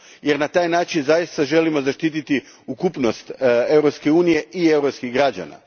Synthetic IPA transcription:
je̞ɾnat̪aːjnaːt͡ʃinzajist̪aʒe̞limo̞zaʃt̪iːt̪it̪i | ukupno̞st̪e̞wɾopske̞uːnije̞ʔiewɾopskiɣɡɾad͡ʑa̰na̰

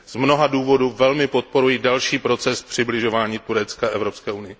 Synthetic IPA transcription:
z̥mno̞ɦaduːvo̞duvɛlmɪpo̞t̪̚po̞ɾujidalʃiːpɾo̞t͡sɛspr̝̥ɪblɪʒo̞vaːɲiːt̪uɾɛt͡skaʔɛvɾopskɛːunɪjɪ

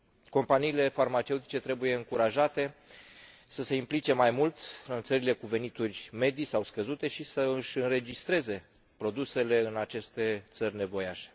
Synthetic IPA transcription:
ko̞mpaniːle̞farmat͡ʃe̞ut̪i̥t͡ʃe̞t̪ɾe̞buje̞ɨŋkuɾaʒat̪e̞ | səse̞implit͡ʃe̞majmult̪ɨnt̪səɾile̞kuve̞nit̪urʲme̞d̪isawskəzut̪e̞ʃisəɨʃʲɨnɾe̞d͡ʒist̪ɾe̞ze̞ | pɾo̞d̪use̞le̞ɨnat͡ʃe̞st̪e̞t̪sərʲne̞vo̞jaʃe̥

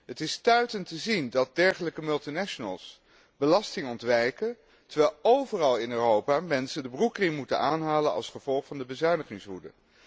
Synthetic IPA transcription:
ɦətɪstœɥtəntəzindɑt̚dɛɹχələkəmɵlˠtinaʃənə̰lˠs | b̥əlɑstɪŋɔntʋɛjkə | təɹʋɛlˠowvərɑlˠɪnøːrowpaːmɛnsədəbrukrɪmːutə̰naːnɦaːlənɑ̰lˠsχəv̥ɔlˠχfɑndəbəzœɥnəχɪŋsɦudə̰

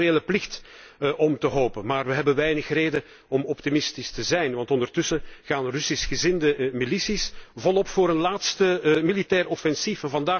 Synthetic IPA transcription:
eːləplɪxtʔɔmtəɦoːpənmaːrʋəɦɛbənʋɛjnəxreːjdə | ɔmɔptimɪstistəzɛjnʋɑntɔndərtʏsəɣaːnrʏsisxəzɪndəmilisisvɔlˠɔpfʊːɾənlaːtstəmilitɛːrɔfɛnsifɛnvɑndaː

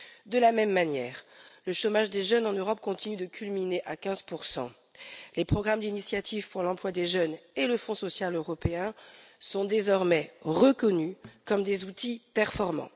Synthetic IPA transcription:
d̪əlamɛmːanjɛːʁləʃomaʒd̪eʒœnɑ̃nøʁɔpkɔ̃t̪inyd̪əkʲʰylmineʔakʲɛ̃zpuʁsɑ̰̃ | lepχɔɡʁamd̪inisjat̪ʰivpuʁlɑ̃plwad̪eʒœneləfɔ̃sɔsjaløʁɔpeɛ̃sɔ̃d̪ezɔʁmɛʁəkɔnykɔmd̪ezut̪ʰipɛʁfɔʁmɑ̰̃

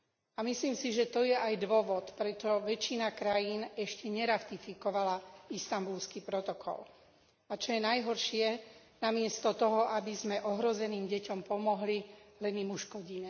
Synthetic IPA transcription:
amisliːmsiʒɛt̪ɔjɛʔajd̪ʋɔʋɔt̪pɾɛt͡ʃɔʋɛt͡ʃːinakɾajiːnɛʃcɛɲɛɾat̪ifikɔʋalaist̪ambulskipɾɔt̪ɔkʰɔ̰l | at͡ʃɔjɛnajɦɔɾʃɪɛ | namɪɛst̪ɔt̪ɔɦɔʔabizmɛʔɔɦɾɔzɛniːmɟɛcɔmpɔmɔɦlilɛnimuʃkɔɟiɲɛ

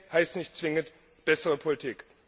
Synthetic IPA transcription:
haɪstnɪçtt͡sv̥ɪŋənt | b̥ɛsəʁəpʰolitʰiːk

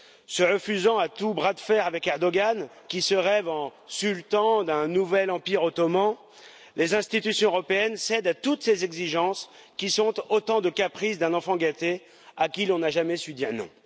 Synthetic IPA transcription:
səʁəfyzɑ̃at̪ubʁad̪fɛʁavɛkɛʁd̪ɔɡan | kʲisəʁɛvɑ̃sylt̪ɑ̃d̪ɛ̃nuvɛlɑ̃piʁot̪ɔmɑ̃ | lezɛ̃st̪it̪ysjɔ̃øʁɔpeɛnsɛd̪at̪ut̪sezɛɡziʒɑ̃s | kʲisɔ̃t̪ot̪ɑ̃d̪əkapχisd̪ɛ̃nɑ̃fɑ̃ɡat̪e | akʲilɔ̃naʒamɛsyd̪iʁnɔ̰̃

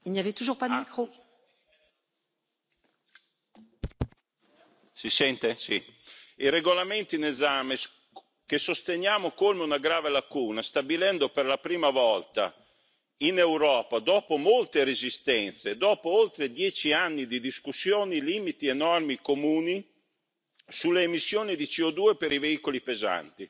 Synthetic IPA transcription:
ilniavɛt̪uʒuʁpad̪mikχo | sisɛnt̪esḭireɡolament̪inezaːmes | kesost̪eɲjaːmokolmeunaɡɾaːvelakuːnast̪abilɛnd̪operlapɾiːmavɔlt̪a̰ | inewɾɔːpad̪ɔːpomolt̪eɾezist̪ɛnt̪sed̪ɔːpoolt̪ɾed̪jɛːt͡ʃianːid̪id̪iskusːjoːniliːmit̪ienɔrmikomuːni | sulːeːmisːjoːnid̪it͡ʃiod̪uːepeɾiveiːkolipeza̰nt̪i

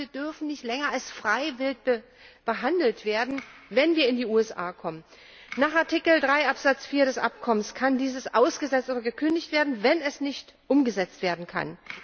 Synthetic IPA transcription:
iːɐd̥ʏɐfn̩nɪçtlɛŋɐalsfʁ̥aɪvɪlt̚bə | b̥əɦandl̩tv̥eːɐdn̩vɛnviːɐɪndiːuːɛsʔa̰ːkʰɔmən | naːχaɐtʰikl̩dʁaɪʔapz̥at͡sfiːɐɾɛsʔa̰pkʰɔmənskʰandiːzəsʔaʊsɡ̥əzɛt͡stʔoːɾɐɡəkʰʏndɪçtv̥eːɐdn̩vɛnɛsnɪçtʔʊmɡəzɛt͡stv̥eːɐdn̩kʰa̰n

